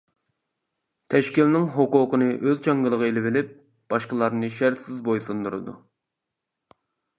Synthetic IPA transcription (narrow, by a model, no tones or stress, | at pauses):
t̪ʰɛʃkʲilnɪŋɦoqʊqənɨʔøzt͡ʃʰɑŋɡɨlˠəʁəelɪvɪlɪp̚ | b̥ɑʃqəlˠɑɾnɨʃæɾt̪sɪzbojsɨnd̪uɾɨ̰d̪ṵ